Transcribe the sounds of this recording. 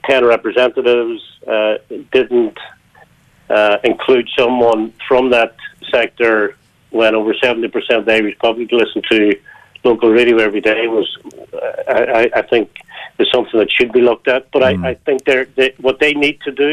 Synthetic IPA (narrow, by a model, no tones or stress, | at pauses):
tʰɛ̃nɹɛpɹɨzɛ̃ntəɾɪvz̥ | d̥ɪdⁿn̩t | ɪ̃nkʰl̥ʉd̥sʌ̃mwʌ̃nfɹʌ̃mðətsɛk̚tə˞ | wə̃ñoʊvə˞sɛvn̩tipʰə˞sɛ̃ntʌvðeɪɹɨz̥pʰɑbəbilɪsn̩tʰə | loʊkəl̩ˠɹeɪɾioɛvɹideɪwʌz | aɪʔaɪʔaɪθɪ̃ŋk̚ðəz̥sʌ̃mθɪ̃ŋðɨtʃɨd̚bilʊk̚tət̚b̥ʌɾaɪʔaɪθɪ̃ŋk̚ðə˞ðəwʌt̪̚ðeɪnid̚tʰɨdɨ